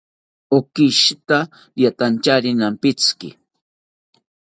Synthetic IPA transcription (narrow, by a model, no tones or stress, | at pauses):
okɪʃt̪a | jat̪ant͡ʃaɾɪnampɪt͡skɪ̰